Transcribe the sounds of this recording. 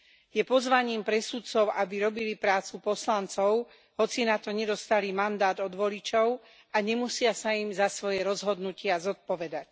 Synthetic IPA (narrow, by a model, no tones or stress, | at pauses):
jɛpɔzʋaɲiːmpɾɛsut̪t͡sɔʊʔabiɾɔbilipɾaːt͡supɔslant͡sɔʊ | ɦɔt͡sinat̪ɔɲɛd̪ɔst̪alimand̪aːd̪ɔd̪ʋɔlit͡ʃɔʊ | aɲɛmusɪasaimzasʋɔjɛɾɔzɦɔd̪nucɪazɔt̪̚pɔʋɛd̪ac